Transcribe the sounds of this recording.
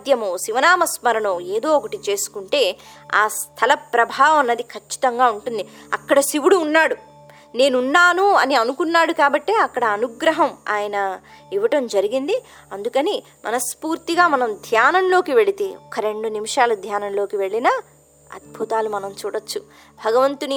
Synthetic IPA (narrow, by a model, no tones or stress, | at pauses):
d̪jɐmoːʃiʋɐnaːmɐsmɐɾɐɳoːe̞ːd̪o̞ːɔkɐʈit͡ʃe̞ːsu̥kuɳʈe̞ːa̰ːst̪ʰɐlɐpɾɐbʱaːʋɐmɐnːɐd̪ikʰɐt͡ʃːi̥t̪ɐŋɡaːuɳʈund̪iɐ̰kːɐɽɐsiʋuɽuːnːaːɽu | ne̞ːnunːaːnuɐniɐnukunːaːɽukaːbɐʈːeːɐkːɐɽɐːnuɡɾɐɦɐma̰ːjɐnɐ | iʋɐʈɐmd͡ʒɐɾiɡind̪i | ɐnd̪ukɐni | mʔɐ̰nɐspuːɾt̪iɡaːmɐnɐmd̪ʱjaːnɐmlo̞ːkiʋe̞ɭit̪eːɔkɐɾe̞ɳɖunimiʂaːlɐd̪ʱjaːnɐmlo̞ːkiʋe̞ɭːinɐ | ɐ̰d̪̚bʱut̪aːlumɐnɐmt͡ʃuːɽɐt͡ʃːu | bʱɐɡɐʋɐnt̪uni